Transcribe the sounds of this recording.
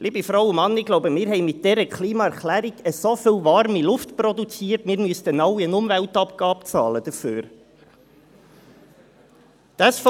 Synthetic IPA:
lʔiːbifɾaʊʊmɑnːɪɡ̥loʊbəmɪːɾhɛɪmɪt̚dɛɾəkʰliːmɑɛɾklæːɾiɡ̥əsofɪlvɑɾmilʊftpɾɔdut͡siːəɾtmɪːɾmyəst̪ənɑʊiənʊmvæltɑpɡɑːpt͡sɑ̰ːləd̥̪əɾfø̰ːɾ | d̪̥ɑsf

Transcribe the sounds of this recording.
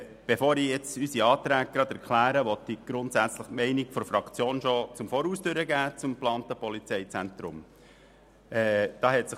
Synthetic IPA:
b̥efoːɾijɛt͡sysiɑːt̪ɾæːɡ̚ɡ̥ɾɑdæɾkʰlæːɾəʋɔt̪̚ːiɡ̥ɾʊntsæt͡sləχtmɛɪniɡfɔɾfɾɑkt͡sjoːnʃɔt͡sʊmfɔːɾuːsd̥øɾəɡæːt͡sʊmplɑːntəpɔlit͡sɛɪt͡sænt̪ɾʊm | ɛːd̥ɑːhɛtsɪχ

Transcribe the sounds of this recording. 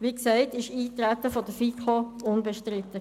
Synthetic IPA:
ʋiksɛɪtɪʃiːt̪ɾæt̪əfɔd̥əfikʰoʊnbəʃtɾɪt̪ːə

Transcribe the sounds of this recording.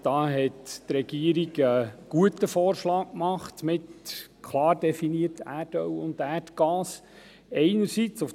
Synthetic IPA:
d̥ɑːɦɛttɾɛɡ̥iəɾiɡəɡ̥uətəfɔːrʃlɑːkkmɑχt̪mɪtkʰlɑːrdɛfiniərtæːrdœwʊnd̪æːrtɡ̥ɑːs | ɛɪnəɾsit͡sʊf

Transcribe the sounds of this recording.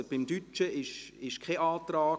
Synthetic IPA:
b̥ɪmd̥̪yt͡ʃəɪʃɪʃkʰɛʔɑːt̪raː

